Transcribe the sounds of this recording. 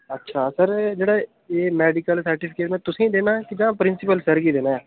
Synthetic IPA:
ətːʃʰaːsəɾd͡ʒeːɽaː | eːmɛːɖɪkəlsəɾʈɪpʰɪkeːʈmɛ̃ːt̪ʊsĩːd̪eːnaːkɪd͡ʒãːpɾɪnsɪpəlsəɾkid̪eːnaːɛː

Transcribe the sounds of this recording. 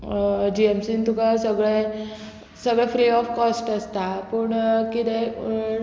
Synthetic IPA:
d͡ʑiemsint̪ukasəɡɭe | səɡɭɛfɾiɔfkɔsʈəst̪apəɳkit̪ɛ

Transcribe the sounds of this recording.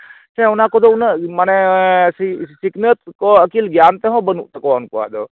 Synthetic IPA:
t͡ʃʰɛ̃ʊnãkod̪oʊnmanessiknət̪koɐkiːlɡjaːnt̪eɦõbənṵʔt̪ɐkoʊnkoa̰d̪oː

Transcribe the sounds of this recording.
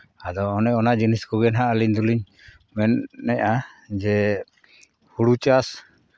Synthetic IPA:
ad̪ɔːnɛɔnaʔd͡ʒiniskɔɡɛnɦaʔaliɲd̪uliɲ | mɛnːɛɲad͡ʒɛ | huɽut͡ʃas

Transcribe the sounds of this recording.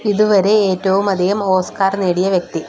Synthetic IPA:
iðuʋɐɾe̞eːtːɐʋumɐd̪ʱiɣɐmo̞ːskaːrneːɽijɐʋjek̚t̪i

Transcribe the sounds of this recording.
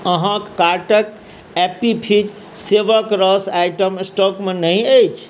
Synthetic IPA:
əɦãkːaɾʈək | epipʰid͡ʒ | seʋəkɾəsajʈəmsʈɔkmenəɦĩəjt͡ʃʰ

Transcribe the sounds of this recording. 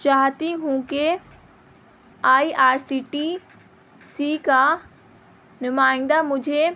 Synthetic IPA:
t͡ʃaːɦt̪iɦũke | aːiʔaːɾsiːʈi | sika | nɪmaːɪ̃nd̪amʊd͡ʒʱe

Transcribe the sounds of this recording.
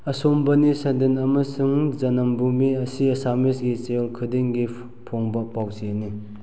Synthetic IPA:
ɐsombɐnisɐnd̪enɐmɐsuŋzɐnɐmbumiɐsiɐsamesɡit͡sejolkʰɯdeŋɡi | pʰoŋbɐpawzini

